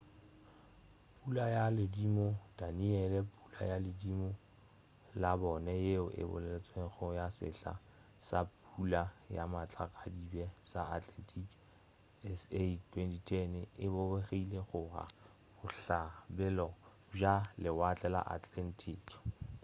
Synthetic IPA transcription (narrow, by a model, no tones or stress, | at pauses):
pʼulajalɪdimɔtʼaniɛlɛpʼu̥la̰jalɪdimɔ | labɔnɛjeʊʔɪ̰bʊ̰lɛlet͡sʼweχɔjasɪ̰ɬa̰ | sap̚ʼulajamat͡ɬʼakʼadibɛsaatʼlɛntʰʼik | ɛsetʰwɛntʰitʰɛnɪbʊbeχeileχʊra̰ | bʊɬabɛlɔ | ʒalɪwat͡ɬʼɛla̰ʔatʼlɛntʰiːk